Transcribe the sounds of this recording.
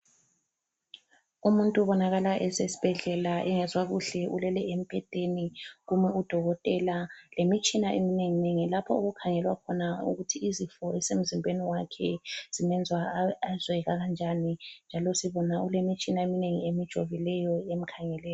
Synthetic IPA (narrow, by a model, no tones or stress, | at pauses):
umuntʼuβɔnaɣalaʔɛzesi̥b̥ʱɛɮɛlaʔɛŋɛzwaɣuɬɛʔulɛlɛem̩pʰʼɛtʼeniɣumɛud̥ʱɔɣɔtʼɛlalemit͡ʃʼinaʔemineŋineŋilapʰɔoɣukʰaŋɛlwakʰɔnaṵɣutʰiːzifɔɛsem̩zimbʱeniwakʰɛz̥imɛnd͡zʱwaazwɛɣaɣand͡ʒʱanind͡ʒʱalɔsiβɔnaulemit͡ʃʼinaemineŋiemid̥ʒ̥ʱoβilɛjɔem̩kʰaŋɛlɛːjɔ